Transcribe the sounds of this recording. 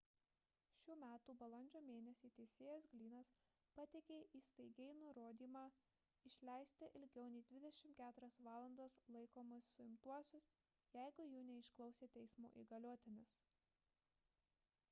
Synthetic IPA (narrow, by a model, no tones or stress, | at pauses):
ʃʲuːmʲæːt̪uːbɐlˠɐnʲd͡ʒʲoːmʲeːnʲɛsʲiːt̪ʲɛɪsʲeːjosɡlʲiːnɐs | pɐt̪ʲekʲeːʔiːst̪ɐɪɡʲɛɪnʊɾoːd̪ʲiːmɑː | ɪʃʲlʲɛˑɪsʲt̪ʲɪʔɪlʲɡʲɛʊnʲɛɪd̪ʲʋʲɪd̪ʲɛʃʲɪmt̪kʲæːt̪ʊɾʲɐsʋɑːlˠɐnd̪ɐslˠɐɪkoːmɐsːʊɪmt̪uɔsʲʊs | jæɪɡʊjuːnʲɛɪʃklˠɒʊsʲeːt̪ʲɛɪsmo̰ːʔḭːɡɐlʲoɔt̪ʲɪnʲɪs